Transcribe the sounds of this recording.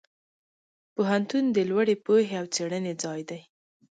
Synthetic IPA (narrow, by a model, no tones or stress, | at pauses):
poɦant̪und̪əlwaɽepoɦeawt͡seɽəned͡zɑjd̪aj